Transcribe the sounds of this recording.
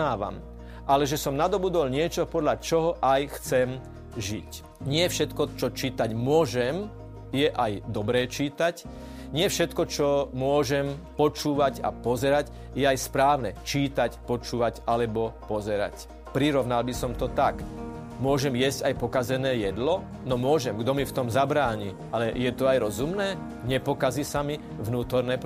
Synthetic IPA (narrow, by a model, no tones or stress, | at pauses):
aːʋa̰m | ʔalɛʒɛsɔmnad̪ɔbud̪ɔlɲɪɛt͡ʃɔpɔd̪ʎat͡ʃɔɦɔʔajxt͡sɛm | ʒic | ɲɪɛfʃɛt̪kɔt͡ʃɔt͡ʃiːt̪aɟmʊɔʒɛm | jɛʔajd̪ɔbɾɛːt͡ʃiːt̪ac | ɲɪɛfʃɛt̪kɔt͡ʃɔmʊɔʒɛmpɔt͡ʃuːʋaɟa̰pɔzɛɾac | jɛajspɾaːʋnɛt͡ʃiːt̪acpɔt͡ʃuːʋacalɛbɔpɔzɛɾa̰c | pɾiɾɔʋnalbisɔmt̪ɔt̪ak | mʊɔʒɛmjɛzcajpɔkazɛnɛːjɛd̪lɔ | nɔmʊɔʒɛmɡd̪ɔmift̪ɔmzabɾaːɲiː | alɛjɛt̪ɔajɾɔzumnɛː | ɲɛpɔkazisami | ʋnuːt̪ɔɾnɛːp